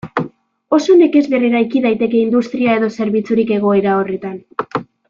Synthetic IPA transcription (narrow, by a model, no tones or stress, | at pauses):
o̞so̞neke̞zβe̞riɾajkiðajt̪e̞ke̞ind̪ust̪ɾiae̞ðo̞se̞ɾβit͡suɾike̞ɣ̞o̞e̞ɾao̞re̞t̪an